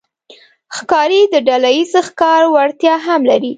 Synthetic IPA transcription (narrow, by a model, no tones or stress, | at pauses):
xkɑɾid̪əɖalajizxkɑɾwaɽt̪jɑɦamlaɾi